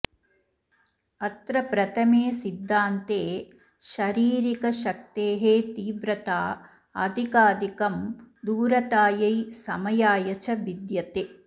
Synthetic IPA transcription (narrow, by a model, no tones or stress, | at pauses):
ɐt̪ɾɐpɾɐt̪ʰɐmeːsid̪ʱːaːnt̪eː | ʃɐɾiːɾikɐʃɐk̚t̪eːɦeːt̪iːʋɾɐt̪aː | ɐ̰d̪ʱikaːd̪ʱikɐmd̪uːɾɐt̪aːjɐjsɐmɐjaːjɐt͡ʃɐʋid̪jɐt̪e